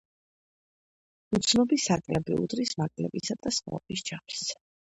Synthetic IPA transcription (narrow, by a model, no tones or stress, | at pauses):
ut̪sʰnɔbisakʼlɛbiṵd̪ɾismakʼlɛ̰bisad̪̥asmɔ̰ɔbisd͡ʒams